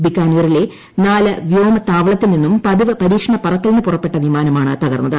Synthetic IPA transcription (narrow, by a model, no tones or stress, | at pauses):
bikːaːnijɐrile̞ | naːlɐʋjo̞ːmɐt̪aːʋɐɭɐt̪ːilninːumpɐðiʋɨpɐɾiːkʂɐɳɐpurɐk̪ːɐlnːɨpurɐpːeʈːɐʋimaːnɐmaːɳɨt̪ɐɣɐrnːɐðɨ